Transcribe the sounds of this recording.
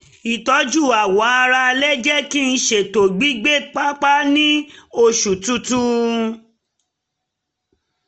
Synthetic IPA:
i˨tɔ˨˦d͡ʒu˦˨a˨wɔ˨˦a˧ɾa˧lɛ˦d͡ʒɛ˦ki˦n̩˧˦ʃe˨to˨ɡ͡bi˨˦ɡ͡be˦˨k͡pa˦k͡pa˦nĩ˦o˧ʃu˨tu˧tu˦

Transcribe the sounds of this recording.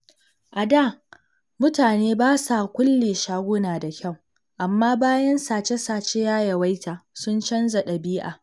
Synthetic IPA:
ʔa˨daː˦˨ | mʊ˦taː˨neː˦baː˦sa˨kʷʊ˦lːeː˨ʃaː˦ɡʷʊ˦naː˨da˨kʲɐ˦˨w | ʔa˨mːaː˦baː˦jɐ˦nsaː˨t͡ʃe˦saː˨t͡ʃe˦jaː˦jɐ˨wa˦jta˨sʊ˦nt͡ʃɐ˦nza˨ɗɐ˨biː˦ʔa̰ː˨

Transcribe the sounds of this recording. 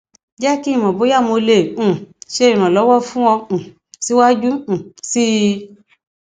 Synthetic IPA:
d͡ʒɛ˦ki˦˨mɔ̃˨bo˨˦ja˦˨mo˧lẽ˨˦˨ʃe˦i˨ɾ̃ã˨lɔ˨˦wɔ˦fũ˦wɔ̃˧˨ | si˨˦wa˦d͡ʒũ˦˨si˦

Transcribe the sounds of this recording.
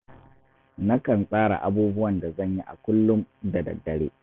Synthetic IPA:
na˦kɐ˨nsʼaː˦ɽa̰˨ʔa˦buː˦bʊ˦wɐ˨nda˨zɐ˦˨ɲji˦ʔa̰˨kʷʊ˦lːʊ˦mdɐ˨dɐ̰˨dːɐ˨ɽḛː˦

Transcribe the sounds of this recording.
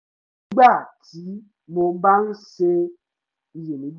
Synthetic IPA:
ɡ͡ba˦˨ti˨˦ | mo˨˦ba˦ŋse˦ | je˨ni˨b

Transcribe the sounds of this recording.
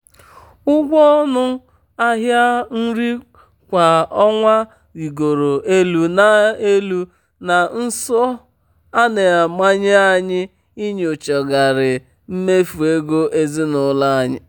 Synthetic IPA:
ʊ˦ɡʷɔ˦nʊ˦ | a˦ɦja˦n̩˦ɾi˦ | kʷa˨ɔ˦ŋʷa˦ | i˨ɡo˨ɾo˨e˦lu˦na˨e˦lu˦ | na˨n̩˦sɔ˦ | a˦ne˨a˨ma˦ɲɪ˦a˦ɲɪ˦ | i˦ɲ˨o˨t͡ʃɔ˨ɡa˨ɾɪ˨ | m̩˦me˦fu˨e˦ɡo˦ʔe˦zi˦nʊ˨˦la˦a˨ɲɪ˦

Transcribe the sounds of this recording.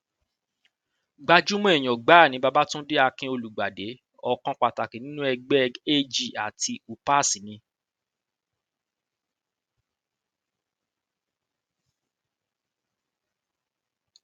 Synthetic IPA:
ɡ͡ba˧d͡ʒu˦mɔ̃˦ɛ˦˨j̃ɔ̃˨ɡ͡ba˨˦˨nĩ˨˦ba˧ba˦tũ˦de˦a˧kĩ˧˦o˧lu˨ɡ͡ba˨de˨˦ | ɔ˧kɔ̃˧k͡pa˨ta˨ki˨nĩ˦nũ˦ɛ˧ɡ͡bɛ˦˧˨ɡe˦˨d͡ʒi˦˨a˨ti˧u˨pa˦˨si˨nĩ˧

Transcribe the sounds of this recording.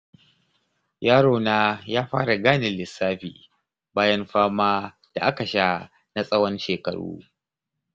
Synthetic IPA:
jaː˦ɽoː˨naː˦jaː˦ɸaː˦ɽa˨ɡaː˦nɪ˨lɪ˨sːaː˦ɸḭː˨ | baː˦jɐ˦mɸaː˦maː˦ | d̥a˨ʔa˦ka˨ʃa˦ | na˦sʼɐ˦wɐ˦nʃeː˨kɐ̰˨ɽṵː˦

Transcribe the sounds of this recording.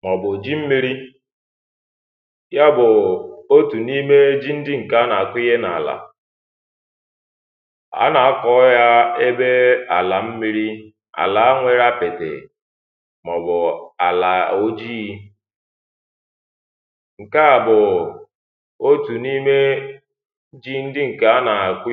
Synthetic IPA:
mɔ˨bʊ˨d͡ʒi˦m̩˦mi˦ɾi˦ | ja˦bʊ˨o˦tu˨ni˦me˦d͡ʒi˦n̩˦dɪ˦ŋ̩˨ka˦a˦na˨a˨kʷɪ˦ɣe˦na˨la̰˨ | a̰˦na˨a˦kɔ˦ja˦e˦be˦a˨la˨m̩˦mi˦ɾi˦ | a̰˨la˨a˦ŋʷe˦ɾa˦pe˨tḛ˨ | mɔ˨bʊ˨a˨la˨o˦d͡ʒi˦ | ŋ̩˨ka˦a˨bʊ˨ | o˦tu˨ni˦me˦ | d͡ʒi˦n̩˦dɪ˦ŋ̩˨ka˦a˦na˨kʷɪ˦

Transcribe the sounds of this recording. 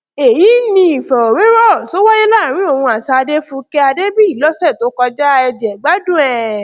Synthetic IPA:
e˨ji˨˦nĩ˧˦i˨fɔ˨o˨ɾe˦ɾɔ˦˨so˦wɔ˦je˦la˦˨ɾ̃ĩ˦o˦˨wũ˧a˨sa˧de˦fũ˧˦ke˦a˧de˦bi˦i˦˨lɔ˦sɛ˦˨to˨˦kɔ˧d͡ʒa˦˧ɛ˧d͡ʒɛ˨ɡ͡ba˦dũ˦˨ɛ˨

